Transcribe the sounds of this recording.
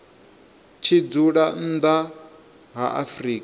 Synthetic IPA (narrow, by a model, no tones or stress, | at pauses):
t͡ʃʰid͡zuɺan̩d̪a | ɦa̰ʔafriːka